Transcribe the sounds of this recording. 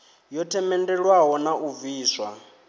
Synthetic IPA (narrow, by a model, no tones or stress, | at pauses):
jɔtʰɛmɛndɛɺwaɦɔnaʔuviːswa